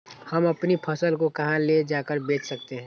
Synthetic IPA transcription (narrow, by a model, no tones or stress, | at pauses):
həmɐpnipʰɐsəlkokɐɦãled͡ʒaːkəɾbeːt͡ʃsɐk̚t̪eɦɛ̃